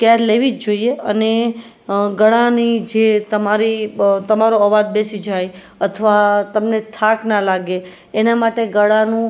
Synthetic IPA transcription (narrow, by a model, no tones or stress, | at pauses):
kɛɾleʋid͡ʒd͡ʒoieəne | ɡəɽanid͡ʒet̪əmaɾit̪əmaɾoəʋad̪̚besid͡ʒaj | ət̪ʰəʋat̪əmnet̪ʰaknalaɡeː | namaʈeɡəɽanũ